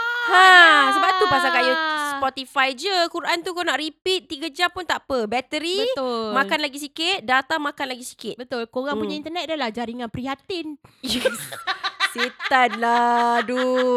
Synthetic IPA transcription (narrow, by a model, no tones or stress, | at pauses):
hãsəbap̚t̪upasakaʔjəspɔt̪ifajd͡ʒəkuɾʔant̪ukonaʔɾipit̪̚ːiɡad͡ʒampunt̪aʔpəbɛt̪əɾibəmãkanlaɡis̬ikɪt̪̚dat̪amãkanlaɡisi̥kɪt̪bət̪ʊlkoɾaŋpuɲaint̪ənɛt̪̚dəlahd͡ʒaɾiŋãnpɾiɦat̪injɛ | set̪anladu